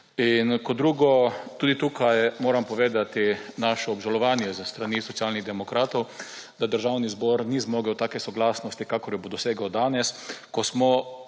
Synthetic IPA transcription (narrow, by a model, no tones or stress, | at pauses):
inkɔd̪ɾuːɡɔt̪uːd̪it̪uːkʰajmoːɾampɔʋeːd̪at̪inaʃɔːbʒalɔʋanjɛzəst̪ɾanisɔt̪sijaːlniɣd̪ɛmɔkɾaːt̪ɔw | d̪ad̪əɾʒawnizbɔɾnizmɔːɡɛwt̪aːkɛsɔɡlaːsnɔst̪ikaːkɔɾjɔbod̪ɔseːɡawd̪aːnɛskɔsmɔ